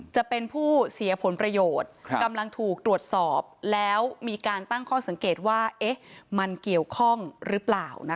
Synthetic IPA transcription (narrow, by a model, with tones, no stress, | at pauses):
t͡ɕa˨˩ʔpe˧npʰuː˥˩si˩˦ɐ˦pʰo˩˨˦npɾa˧joː˨˩t̪̚ka˧mla˧ŋt̪ʰuː˨˩k̚t̪ɾu˨˩ət̪̚sɔː˨˩p̚lɛː˦˥wmiː˧kaː˧nt̪a˥˩ŋkʰɔː˥˩sa˩˦ŋkeː˨˩t̪̚waː˥˩ʔe˦˥ma˧nki˨˩əwkʰɔ˥˩ŋɾɯː˦˥plaː˨˩wna˦˥